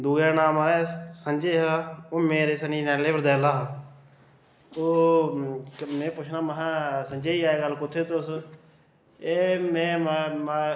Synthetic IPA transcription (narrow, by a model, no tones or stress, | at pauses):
d̪uːɡaːnaːmaːɾɛːsənd͡ʒeːɦaoːmeːɾeːsəniːnɛːleːʋəɾd̪ɛːlaːɦː | oː | mẽːpʊt͡ʃʰnaːməɦãːsənd͡ʒeːiːaːeːɡəlkʊt̪ʰːeːt̪ʊs | eːmɛ̃ːmm